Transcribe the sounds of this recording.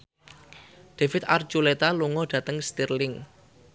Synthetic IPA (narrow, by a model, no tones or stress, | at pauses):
d̪̥e̤fɪt̪art͡ʃulet̪aluŋɔɖ̥ä̤t̪əŋst̪irlɪŋ